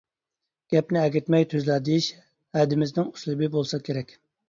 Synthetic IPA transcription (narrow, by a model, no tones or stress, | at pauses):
ɡ̥ʲɛpnɪɛɡʲɪt̪mɛjt̪ʰøzlæd̪ijiʃ | hɛd̪ɪmɪznɪŋu̥ʃlˠɨbɪbolˠsɑkʲʰeɾɛkʲ